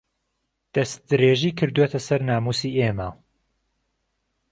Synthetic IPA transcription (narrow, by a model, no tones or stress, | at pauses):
d̪̥ɐs̚d̪ɨɾeːʒiːkʰɨɾd̪uwet̪ʰɐsɐɾnaːmuːsiːʔeːmɐ